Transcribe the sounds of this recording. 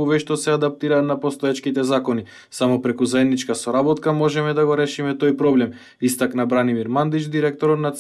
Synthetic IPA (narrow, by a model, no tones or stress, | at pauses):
uvɛʃt̪ɔsɛad̪ap̚t̪iɾaːt̪napɔst̪ɔɛt͡ʃkit̪ɛzakɔni | samɔpɾɛkuzaɛd̪nit͡ʃkasɔɾabɔt̪kamɔʒɛmɛd̪aɡɔɾɛʃimɛt̪ojpɾɔblɛm | ist̪aknabɾanimiɾmand̪it͡ʃd̪iɾɛk̚t̪ɔɾɔt̪nat̪